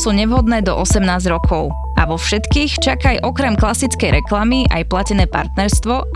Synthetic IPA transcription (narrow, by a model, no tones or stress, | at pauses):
suːɲɛʋɦɔd̪nɛːd̪ɔ̰ʔɔsɛmnaːzɾɔkʰɔʊ | a̰ʋɔfʃɛt̪kiːxt͡ʃakajʔɔkɾɛmklasit͡skɛjɾɛklamiʔa̰jplacɛnɛːpa̰ɾt̪nɛɾst̪ʋɔ